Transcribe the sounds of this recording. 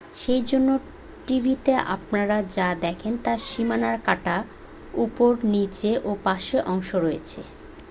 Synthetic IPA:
ʃejd͡ʑonːo | ʈibʱit̪eʔa̰p̚naɾad͡ʑad̪ɛkʰent̪aʃimanaɾkaʈa | upoɾnit͡ɕeʔopaʃeʔɔŋʃoɾojet͡ɕʰḛ

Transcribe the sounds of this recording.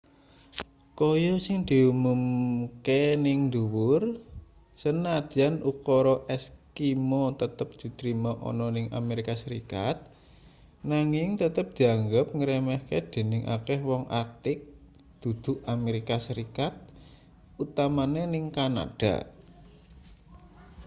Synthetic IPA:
kɔjɔsɪŋd̪̥i̤umumkenɪŋd̪uwʊr | sənad̪̥ianukɔɾɔʔɛskimɔt̪ət̪əp̚d̪̥i̤t̪ɾimaʔɔ̰nɔnɪŋa̰meɾikasəɾikat̪̚ | naŋɪŋt̪ət̪əp̚d̪̥i̤aŋɡəp̚ŋəɾɛmɛhked̪̥e̤nɪŋʔa̰kɛhwɔŋʔa̰rk̚t̪ɪk̚ | d̪̥ṳd̪̥ṳʔameɾikasəɾikat̪̚ | ut̪amanenɪŋkana̰ɖ̥a̰

